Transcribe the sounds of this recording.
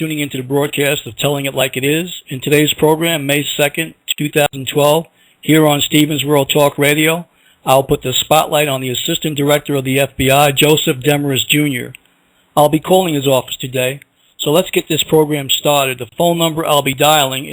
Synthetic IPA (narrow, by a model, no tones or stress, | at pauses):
tʉ̃nɪ̃ŋɪ̃ntʉðɨbɹɔd̚kʰæstʌv̥tʰɛlˠɪ̃ŋɨtˡlaɪkɨɾɪzɨ̃ntʰɨdeɪz̥pʰɹ̥oʊɡɹæ̃mːeɪsɛkɨ̃ntʰʉθaʊzn̩tʰw̥ɛlˠv̥ | hiɹə̃nstivɨ̃n̩zwɜ˞lˠtʰɔkɹeɪɾioʊ | aɪlˠpʊt̪̚ðɨspɑʔlaɪɾn̩ðiɨsɪstɨ̃nd̥ə˞ɛk̚tə˞ʌvðiɛfb̥iaɪd͡ʒoʊsɨfd̥ɛmə˞ɨs̬d̥ʒ̥ʉ̃njə̰˞ | aɪlˠbikʰɔlˠɪ̃ŋɨzɔfə̥stʰɨdeɪ | soʊlətsɡ̥ɛt̪̚ðɪspʰɹ̥oʊɡɹæ̃mstɑɹɾɨd̪̚ðəfõʊ̃nːʌ̃mbə˞ʔa̰ɪlˠbidaɪlˠɪ̃ŋ